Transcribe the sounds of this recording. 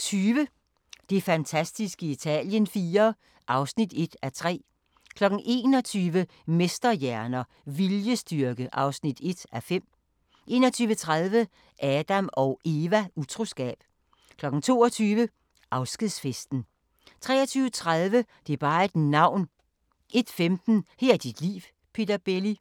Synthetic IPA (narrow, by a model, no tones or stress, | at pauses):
t͡sʰyːʋə | d̥e̝fænt͡sʰæsd̥isɡ̥əit͡sʰɛ̰ːljənfiːɐ | ʔɑ̈ʊsnid̥e̝d̥æt͡sʰʁɛ̰ː | kʰlɒ̽ɡ̥n̩ʔe̝̰ːnɒ̽t͡sʰyːʋə | mesd̥ɐjæɐnɐ | ʋiljəsd̥yɐɡ̥əʔɑ̈ʊsnid̥e̝d̥æfem̰ | e̝̰ːnɒt͡sʰyːʋət͡sʰʁaðˠʋə | ʔɛːd̥æmɒ̽ʊʔe̝ːʋæut͡sʰʁo̝sɡ̥ɛ̰ːb̥ | kʰlɒ̽ɡ̥n̩t͡sʰo̝̰ːɐt͡sʰyːʋə | ʔɑ̈ʊsɡ̥ið̰ˠsfesd̥n̩ | t͡sʰʁɛ̰ːɐt͡sʰyːʊət͡sʰʁaðˠʋəd̥e̝ɐb̥ɑ̈ːed̥nɑ̈ʊ̰n | ʔe̝d̥femd̥n̩hæɐ̰d̥id̥lḭːʋ | pʰe̝ːd̥ɐb̥eli